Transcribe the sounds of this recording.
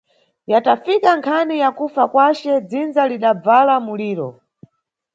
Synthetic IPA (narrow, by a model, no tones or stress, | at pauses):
jatafikaŋkʰanijakufakwat͡ʃɛd͡zind͡zaliɗab͡valamuliːɾɔ̰